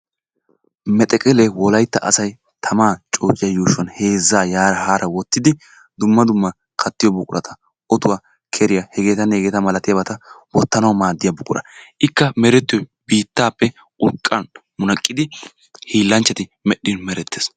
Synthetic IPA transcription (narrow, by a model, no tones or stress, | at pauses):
mɛt̪ʼɛkʼɛlewɔlɐjt̪ːɐʔɐ̰sɐj | t̪ʰɐmaːt͡ʃʼoːt͡ʃʼːɪjɐjuːʃɔnhe̞ːzːaːjaːɾɐhaːɾʔɐwɔt̪ːɪd̪ɪ | d̪ʊmːɐd̪ʊmːɐ | kʰɐt̪ːɪjɔbʊkʼʊɾɐ̰t̪ʰɐ̥ | ʔɔt̪ʊwaː | kʰɛɾɪjahɛɡeːt̪ɐne̞ːɡeːt̪ɐmɐlɐt̪ɪjɐbɐt̪ɐwɔt̪ːɐnɐwmaːd̪ːɪjɐbʊkʼʊɾɐ̰ʔɪkːɐmɛɾɛt̪ːɪjɔjb̥iːt̪ːaːpːɛ | ʔʼʊɾkʼːɐnmʊnɐkʼːɪd̪ɪ | hiːlːɐnt͡ʃːɛt̪ɪmɛɗːɪnmɛɾɛt̪ːeːs